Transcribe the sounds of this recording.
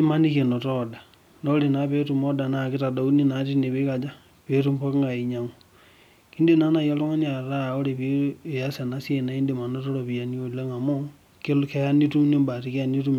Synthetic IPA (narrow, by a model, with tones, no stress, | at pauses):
e˦ma˦ni˦ke˨no˨tɔ˦da˨ | no˦le˨na˨˦pe˦tu˨mo˦da˨na˨ki˦ta˨do˨u˦ni˦na˨˦ti˦ne˨βi˦ka˨d͡ʒa˦ | pe˦tu˦mpo˦kŋa˨i˨ɲa˨ŋu˨ | i˦nde˦˨na˦na˨jo˦lo˦ŋa˦ni˦a˨ɾa˦˨o˦ɾe˨βi˦e˨a˦se˨na˦sje˦˨na˨i˦nde˨ma˨no˦to˦ɾo˨βi˨a˨ni˦o˦˨le˦ŋa˨mo˦ | ke˦lke˦a˦ni˦tu˦ni˦mba˨ti˨ke˦a˦ni˦tu˦m